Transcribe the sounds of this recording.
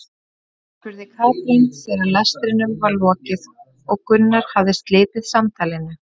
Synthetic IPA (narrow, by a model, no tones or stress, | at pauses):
kʰvʏɾðɪkʰaːwp̪ɾinsɛðalɛst̪ɾɪnʏmvalvɔːcɪð | ɔɣkʏnːaɾ̥havðɪst̪leːt̪ɪðsamt̪ʰaːlɪnʏ